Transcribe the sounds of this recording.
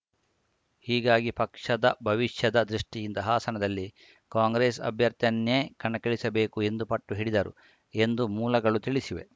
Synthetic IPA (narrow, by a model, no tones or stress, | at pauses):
hiːɡaːɡipɐkʂɐd̪ɐbʱɐʋiʂjɐd̪ɐd̪ɾiʂʈijint̪ɐɦaːsɐnɐd̪ɐlːi | kaːŋɡɾeːsɐ̰bʱjɐɾt̪jɐnjeːkɐɳɐkeɭisɐbe̞ːkue̞nd̪upɐʈːuɦiɽid̪ɐɾṵ | e̞nd̪umuːlɐɡɐɭut̪iɭisiʋe̞̰